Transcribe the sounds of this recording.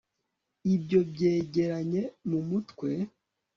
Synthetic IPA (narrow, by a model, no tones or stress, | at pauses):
ibjo̞bɟe̞ːɟe̞ɾaɲe̞mumutkwe̞